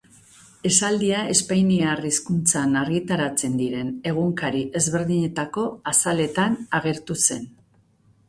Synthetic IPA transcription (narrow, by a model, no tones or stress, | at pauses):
e̞sald̪iae̞spajniariskunt͡sanaɾɣit̪aɾat͡se̞nd̪iɾe̞ne̞ɣ̞uŋkaɾiʔe̞zβe̞ɾðiɲe̞t̪ako̞asale̞t̪anaɣe̞ɾt̪use̞n